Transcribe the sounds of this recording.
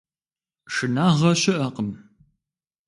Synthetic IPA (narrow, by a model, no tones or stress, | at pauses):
ʂɨnaːʁɐʃɪʔɐqəm